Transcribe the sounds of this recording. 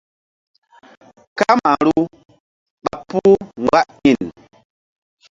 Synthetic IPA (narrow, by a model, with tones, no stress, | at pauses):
ka˦ma˨ɾu˦ | ɓa˨pu˦ŋ˨ɡwa˦ʔɲi˨n